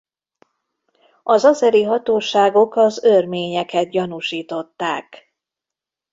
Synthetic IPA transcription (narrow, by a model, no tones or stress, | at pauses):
ɒzɒzɛɾiɦɒt̪oːʃaːɡo̞kɒzørmeːɲɛkɛt̪̚ɟɒnuʃiːt̪o̞t̪ːaːk